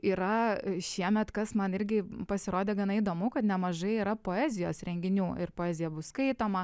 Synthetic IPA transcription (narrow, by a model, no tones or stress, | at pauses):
iːɾɐʃʲiɛmʲɛt̪kɐsmɐnɪɾʲɡʲɪpɐsʲɪɾoːd̪ʲeːɡɐnɐid̪oːmʊkɐt̪nʲɛmɐʒɐɪiːɾɐpoːæːzʲɪjoːsɾʲɛŋʲɡʲɪnʲuːɪrpoːɛːzʲɪjɛbʊskɐɪt̪oːmɐ